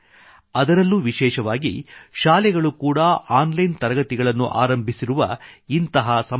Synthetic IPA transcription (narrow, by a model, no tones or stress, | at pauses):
ɐd̪ɐɾɐlːuːʋiʃɛːʃɐʋaːɡḭʃaːlɛɡɐɭukuːɽɐaːnlɐjnt̪ɐɾɐɡɐt̪iɡɐɭɐnːṵʔa̰ːɾɐmbʱisiɾuʋɐ̰int̪ɐɦɐsɐ